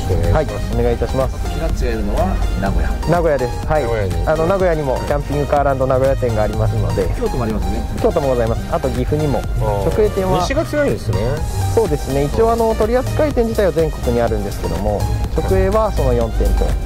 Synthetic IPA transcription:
hai | o̞ne̞ɡait̪aɕimasɨ̥ | at͡ɕɡaɯnoanaɡoja̰naɡo̞jad̪e̞sɨ̥haiano̞naɡo̞jaɲ̟imo̞kʲãmpʲĩŋɡɯ̟kaːɾãnd̪o̞naɡo̞jat̪ẽ̞ŋɡaːɾʲimasɨno̞̰d̪e̞kʲoːt̪omoaɾimasnekʲo̞ːt̪o̞mo̞ɡo̞zaimasɨ̥at̪o̞ɡʲiɸɯ̟ɲ̟imo̞t͡ɕo̞kɯ̟e̞ːt̪ẽ̞ɰ̃βaiɡat͡ɕiɡaiseso̞ːd̪e̞sɨne̞it͡ɕio̞ːano̞t̪o̞ɾʲiat͡sɨ̥kait̪ẽ̞ɲ̟d͡ʑit̪aiβazẽ̞ŋko̞kɯ̟ɲ̟iaɾɯ̟̃nd̪e̞sɨ̥ke̞d̪o̞̰mo̞t͡ɕo̞kɯ̟e̞ːβaso̞no̞jõ̞nt̪ẽ̞nt̪e̞̰

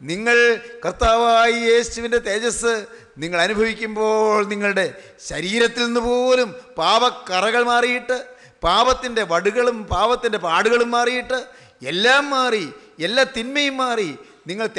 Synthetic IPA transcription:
niŋːɐɭkɐrt̪aːʋaːjije̞ːuʋinde̞t̪e̞ːd͡ʑɐsɨ | niŋːɐɭɐnubʱɐʋikʲːumbo̞ːɭniŋːɐɭuɽe̞ | ɕɐɾiːɾɐt̪ːilnːɨpo̞ːlumpaːbɐkːɐrɐɣɐɭmaːrijiʈːɨ | paːbɐt̪ːinde̞ʋɐɽuɣɐɭumpaːbɐt̪ːinde̞paːɽuɣɐɭumːaːrijiʈːɨ | elːaːmːaːrielːaːt̪inmɐjumːaːri | niŋːɐɭt̪

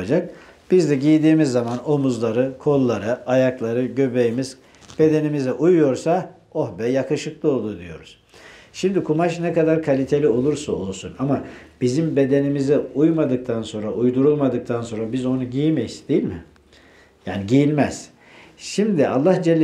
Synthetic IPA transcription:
ad͡ʒak̚ | b̥izd̪ɛɟijd̪iːmizːamano̞muzlˠaɾɯkʰo̞lˠːaɾɯajaklˠaɾɯɟøbejimiz̥ | b̥e̞d̪e̞nimizɛʔujjo̞ɾsa | ohbɛjakʰɯʃɯklˠɯo̞lˠd̪ud̪ḭjo̞̰ɾuz̥ | ʃimd̪ikʰumaʃnɛkad̪aɾkʰalʲit̪ʰe̞lʲio̞lˠuɾsao̞lˠsunamab̥izimbe̞d̪e̞nimizɛujmad̪ɯk̚t̪ʰanso̞nɾaʔujd̪uɾulˠmad̪ɯk̚t̪ʰanso̞nɾabizo̞nuɟijimɛjisd̪ejilʲmɪ̰ | jaːniɟijilʲmɛz̥ | ʃimd̪iʔa̰lˠːahd͡ʒɛlʲː

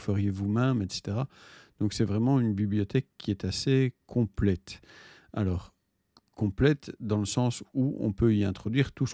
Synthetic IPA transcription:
fəʁjevumɛmɛt̪se̥t̪eʁad̪̥ɔ̃ksɛvʁɛmɑ̃ynbibliɔt̪ɛkːiɛt̪asekʰɔ̃plɛt̪ | a̰lɔːʁ | kɔ̃plɛt̪d̪ɑ̃ləsɑ̃suɔ̰̃pøiɛ̃t̪χɔd̪ɥiːʁt̪us

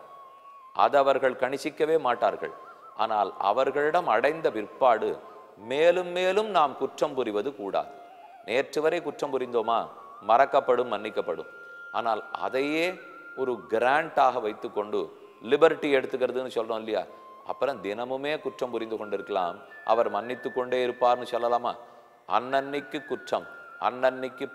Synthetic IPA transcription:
ʔɐ̰ðɐʋɐɾɣɐɭkɐɳɪsɪkːɐʋeːmaːʈːaːɾɣɐ̰ɭ | ʔa̰ːnaːlɐ̰ʋɐɾɣɐɭɪɽɐmɐɽɐɪnd̪ɐʋɪrpːaːɽɯ | meːlɯmːeːlɯmnaːmkʊʈrɐmpʊɾɪʋɐðɯkuːɽa̰ːðɯ | neːrʈrɯʋɐɾɐɪkʊʈrɐmpʊɾɪnd̪oːmaː | mɐɾɐkːɐpːɐɽɯmːɐnːɪkːɐpːɐɽɯ̰̃m | a̰ːnaːlɐ̰ðɐjeː | ɔɾɯɡɪɾaːɳʈaːɣɐʋɐɪt̪ːɯkːɔɳɖɯ | lɪbɐɾɪʈːiɛɽɯt̪ːɯɣɪɾɐðɯnːɯsɔlrõːɪlːɐja̰ː | ʔɐ̰pːɯɾɐmd̪ɪnɐmɯmeːkʊʈrɐmpʊɾɪnd̪ɯkɔɳɖɪɾɯkːɐla̰ːm | ʔɐ̰ʋɐɾmɐnːɪt̪ːɯkːɔɳɖeːɪɾɯpːaːɾnɯsɔlːɐlaːma̰ː | ɐ̰nːɐnːɪkːɯkːʊʈrɐmɐ̰nːɐnːɪkːɯ

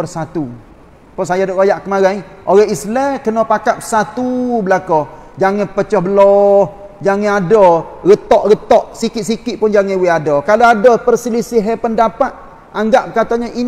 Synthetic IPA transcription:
ərsat̪u | pɔsajadɔʔɣojaʔkəmaɾaioɾahislɛkənɔpakap̚sat̪ubəlakɔ | d͡ʒaŋɪpət͡ʃɔhbəlɔ | d͡ʒaŋɪadɔ | ɣət̪ɔʔɣət̪ɔʔsikɪt̪̚sikɪʔ̪̚pʊnd͡ʒaŋɛwiadɔkaloadɔpərsilisɪɦɛpəndapat̪̚ | aŋɡaʔ̚kat̪aɲaʔin

